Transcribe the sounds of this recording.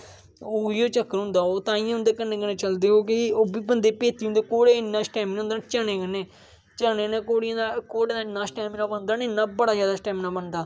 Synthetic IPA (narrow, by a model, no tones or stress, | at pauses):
oːiːoːt͡ʃəkːəɾɦʊ̃nd̪aːoːt̪ãːĩːʊnd̪eːkənːẽːkəneːt͡ʃəld̪eːoːkɪoːbiːbənd̪eːpeːt̪iːʊ̃nd̪eːkoːɽeːɪnːãːsʈɛːmnːʊ̃nd̪eːnt͡ʃəɽeːkəneː | t͡ʃəɽeːneːkoːɽɪjãːd̪akoːɽeːɪnːãːsʈɛːmnãːbənd̪aːnɪnːãːbəɽaːzjaːd̪aːsʈɛːmnãːbənd̪aː